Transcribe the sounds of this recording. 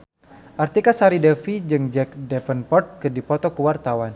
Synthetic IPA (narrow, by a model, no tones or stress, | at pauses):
ʔart̪ikasaɾidɛfid͡ʒɨŋd͡ʒɛk̚dɛfənpɔrt̪̚kɨdipɔt̪ɔkəwart̪awan